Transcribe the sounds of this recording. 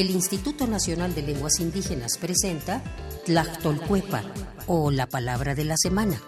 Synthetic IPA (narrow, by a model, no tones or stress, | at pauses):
elinst̪it̪ut̪o̞nasjo̞nald̪e̞le̞ŋɡwasind̪ixe̞naspɾe̞se̞nt̪at̪lakt̪olkwepa̰ | olapalaβɾaðe̞lase̞mãna